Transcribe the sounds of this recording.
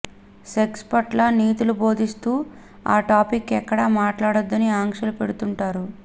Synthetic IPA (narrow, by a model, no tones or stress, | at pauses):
sekspɐʈlɐniːt̪ulubʱo̞ːd̪ist̪uː | a̰ːʈaːpikːɛkːɐɽɐmaːʈlaːɽod̪ːɐniaːŋkʂɐlupe̞ɽut̪uɳʈaːɾu